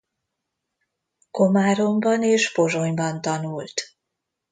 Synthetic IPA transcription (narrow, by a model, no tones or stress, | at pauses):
ko̞maːɾo̞mbɒneːʃpo̞ʒo̞ɲbɒnt̪ɒnuːlt̪